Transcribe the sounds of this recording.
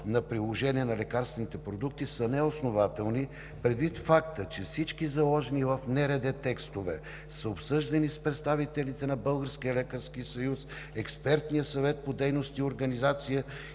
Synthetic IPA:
nɐpɾilˠoʒɛniɛnɐlɛkaɾst̪vɛnit̪ɛpɾod̪uk̚t̪isənɛosnovat̪ɛlˠni | pɾɛd̪vit̪fakt̪ət͡ʃɛfsit͡ʃkizɐlˠɔʒɛnivəfnɛɾɛd̪ɛt̪ɛkst̪ovɛ | səopsɤʒd̪ɛnispɾɛt̪st̪avit̪ɛlit̪ɛnɐbɤlˠɡəɾskijəlɛkəɾskisɐjus | ɛkspɛɾt̪nijəsɐvɛt̪̚pod̪ɛjnost̪ioɾɡɐnizat̪sijə

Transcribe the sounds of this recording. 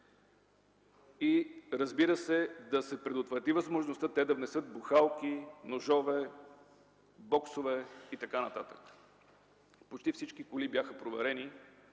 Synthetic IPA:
iɾəzbiɾəsɛd̪ɐsɛpɾɛd̪ot̪vɾɐt̪ivəzmoʒnost̪ət̪ɛd̪ɐvnɛsɤt̪̚buxalˠkinoʒɔvɛ | bɔksovɛit̪ɐkanɐt̪at̪ə̥k | pot͡ʃt̪ifsit͡ʃkikʊlibʲjaxəpɾovɛɾɛni

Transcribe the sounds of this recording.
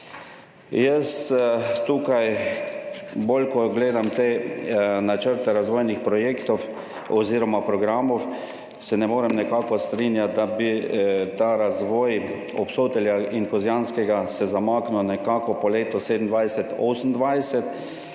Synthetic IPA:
jəst̪uːkaj | bolkɔɡleːd̪amt̪e | nat͡ʃəɾt̪ɛɾazʋɔːjnixpɾɔjeːkt̪ɔw | ɔziːɾɔmapɾɔɡɾaːmɔw | sɛnɛmoːɾɛmnɛkaːkɔst̪ɾinjat̪̚d̪abit̪aːɾazʋɔːj | ɔpsoːt̪ɛljainkɔzjaːnskɛɡasɛzamaːknɔnɛkakɔpɔleːt̪ɔseːd̪ən̩d̪ʋajsɛt̪ɔsn̩d̪ʋajsɛt̪

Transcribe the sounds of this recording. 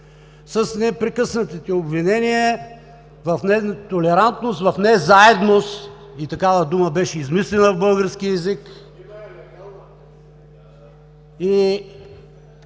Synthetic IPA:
səsnɛpɾɛkɤsnət̪it̪iobvinɛniə | vɐfnɛt̪olɛɾant̪nost̪vɐfnɛzaɛd̪nost̪ | it̪ɐkavəd̪uməbɛʃɛizmislɛnəvbɤlˠɡəɾskiɛzik | i

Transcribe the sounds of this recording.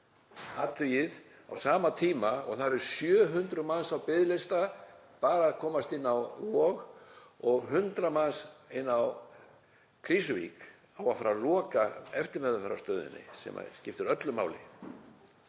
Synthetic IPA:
aːt̪við | a̰wsaːmat̪ʰiːmaɔ̰ɣθaɾɾɾ̥sjœːɦʏnt̪ɾʏmansawpɪðlɪst̪a | paːɾaːðkʰɔːmast̪ɪnːawvɔːɣ | ɔɣɦʏnt̪ɾamansɪnːaw | kʰɾiːsʏvḭk | awafaːɾalɔːkaɛft̪ɪɾmɛðʏfɛɾa̰st̪œːðɪ̰nːɪ̰sɛ̰ma̰scɪft̪ʏɾœt̪lʏma̰ːwlɪ̰

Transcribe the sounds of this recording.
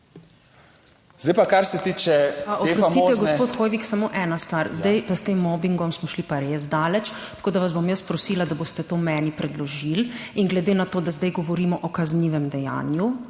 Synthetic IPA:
zd̪ajpakaɾsɛt̪iːt͡ʃɛɔepɾɔst̪iɛɡɔsɛpoːt̪xojʋiksamoʔɛnast̪ʋaɾzd̪ɛjpəst̪emːɔbiŋɡɔmsmɔʃlipaɾezd̪aːlɛt͡ʃ | t̪ɐ̥koːd̪aʋazbomjəspɾɔsiːlad̪aboːst̪ɛt̪oːmɛːnipɾɛd̪lɔʒilinɡlɛd̪eːnat̪oːd̪azd̪ɛjɡɔʋɔɾiːmɔʔɔkazniʋɛmd̪ɛja̰ːnju

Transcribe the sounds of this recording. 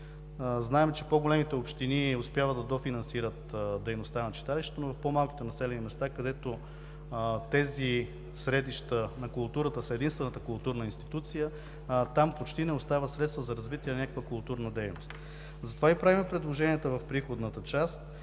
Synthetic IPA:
znaɛmt͡ʃɛpoɡolɛmit̪ɛopʃt̪iniospʲjavəd̪d̪ɐd̪ofinɐnsiɾət̪d̪ɛjnost̪anɐt͡ʃi̥t̪aliʃt̪ɛ̥t̪onovɐfpomalˠki̥t̪ɛnɐsɛlɛnimɛst̪akɐd̪ɛt̪o | t̪ɛzi | sɾɛd̪iʃt̪ənɐkʊlˠt̪uɾət̪əsɛd̪inst̪vɛnət̪əkʊlˠt̪uɾnəinst̪it̪ut̪sijə | t̪ampot͡ʃt̪inɛost̪avəsɾɛt̪st̪vəzɐɾɐzvit̪iɛnɐnʲakəkvəkʊlˠt̪uɾnəd̪ɛjnost̪ | zɐt̪ovaipɾavimɛpɾɛd̪lˠoʒɛniɛt̪əvɐfpɾixod̪nət̪ət͡ʃast̪

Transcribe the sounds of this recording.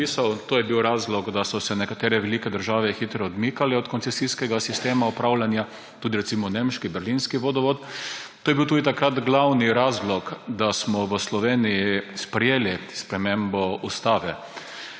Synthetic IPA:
isawt̪oːjɛbiwɾaːzlɔɡd̪asɔsɛnɛkat̪eːɾɛʋɛlikɛd̪əɾʒaːʋɛxit̪ɾɔɔd̪miːkalɛɔt̪kɔntsɛsiskɛɡasist̪eːmaɔpɾawlʲanja | t̪uːd̪iɾɛtsiːmɔnemʃkibɛɾlinskiʋod̪ɔʋɔt̪ː | oːjɛbiwt̪uːd̪it̪akɾat̪ɡlawniɾaːzlɔkd̪asmɔʋəslɔʋeːniispɾɛjeːlispɾɛmẽmbɔust̪aːʋɛ

